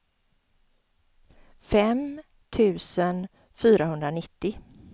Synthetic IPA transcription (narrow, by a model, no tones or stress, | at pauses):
fɛm | t̪ʰʉ̟ːsən | fyːɾahɵnd̪ɾanɪt̪ːɪ